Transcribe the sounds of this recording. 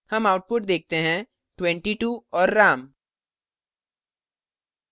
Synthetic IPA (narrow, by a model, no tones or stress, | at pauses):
hɐmaːʊʈ̚pʊʈd̪eːk̚t̪eɦɛ̃ | ʈwɛ̃ɳʈiʈuːɔːɾːaːm